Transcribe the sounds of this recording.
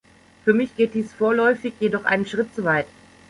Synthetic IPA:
fyːɐmɪçɡ̥eːt̚d̥iːsfoːɐlɔʏfɪçjedɔχʔa̰ɪnənʃʁ̥ɪtt͡sovaɪt

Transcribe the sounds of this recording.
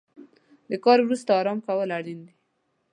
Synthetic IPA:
d̪əkɑɾwɾust̪aːɾɑmkawəlaɽind̪i

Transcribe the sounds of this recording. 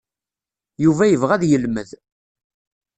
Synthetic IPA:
juvæjəvʁæðjəlməð

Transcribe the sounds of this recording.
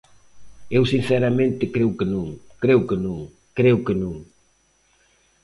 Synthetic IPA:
ewsin̟sɛɾɐmẽnt̪ɪkɾewkɪnũŋkɾewkɪnũŋ | kɾewkɪnũŋ

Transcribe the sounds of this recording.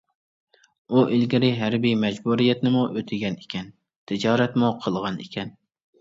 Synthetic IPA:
uʔilɡʲɪɾɪɦæɾbijmɛd͡ʒbuɾijɛt̪nɪmuʔøt̪ʰɪɡʲɛnekʲʰɛn | t̪ʰɪd͡ʒɑːɾɛt̪muqʰəlˠʁɑnḛkʲʰɛn

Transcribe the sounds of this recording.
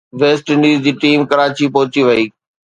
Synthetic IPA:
ʋeːsʈɪ̃ɳɖiːzd͡ʑiːʈiːmkɐɾaːt͡ɕipɐɦʊt͡ɕiʋɐiː

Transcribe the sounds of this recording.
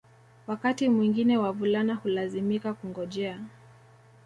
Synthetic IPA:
wakatimwiŋɡinɛwavulanahulazimikakuŋɡɔʄɛa

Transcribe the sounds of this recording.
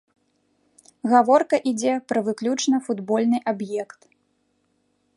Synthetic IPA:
ɣavɔrkɐʔid͡zʲɛpɾɐvɨklʲut͡ʂnɐfud̪bɔlʲnɨʔabjɛkt̪

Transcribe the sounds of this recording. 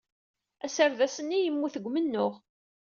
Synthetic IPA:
æsəɾðæsənːijəmːuθəɡʷːmənːʊʁ

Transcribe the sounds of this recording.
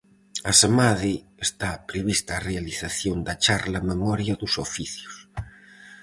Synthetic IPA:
ɐsamaði | est̪apɾeβist̪aːrealiθaθjond̪ɐt͡ʃaɾlɐmemɔɾjɐðʊsofiθjʊs

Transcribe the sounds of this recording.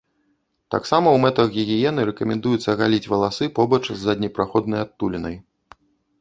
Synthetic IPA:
t̪a̰ksamɐwmɛt̪ɐxɣʲiɣʲijɛnɨɾɛkɐmʲɛnd̪ujut̪sːɐɣalʲit͡sʲvɐlˠasɨpɔbɐt͡ʂzːɐd̪ʲnʲɛpɾaxɔd̪̚nɐjat̪ːulʲinɐj

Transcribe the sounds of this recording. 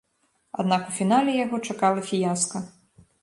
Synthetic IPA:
a̰d̪nakufʲin̪alʲɛjaɣɔt͡ʂakalˠɐfʲijaskɐ

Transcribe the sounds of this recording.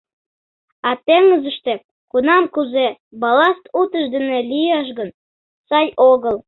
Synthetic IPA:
ɑt̪eŋəzə̆ʃt̪ĕ | kunɑmkuze | bɑlɑst̪ut̪əʃd̪ə̆nelijɑʃ̬ɣən | sɑjʔoɣəlˠ

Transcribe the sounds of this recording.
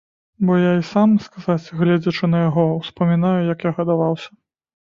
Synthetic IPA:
bɔjaisamskazat͡sʲɣlʲɛd͡zʲɐt͡ʂɨnɐjaɣɔwspɐmʲinajujɐkjaɣɐd̪avawsʲɐ̥

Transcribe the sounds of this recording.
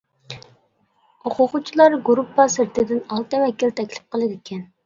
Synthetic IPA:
oqʰʊqut͡ʃʰilˠɑɾɡuɾupʰːɑsɪɾt̪ɪd̪ɪnɑlˠt̪ɨmɛkʲilt̪ʰɛkʲlɪ̥p̚qʰəlˠɨd̪ɪkʲɛn

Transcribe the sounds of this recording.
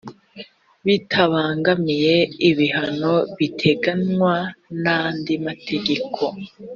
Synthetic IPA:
βitʰaβaːŋɡamije̞iβiɦano̞βitʰe̞ɡanŋwanandimatʰe̞ɡe̞kʰo̞

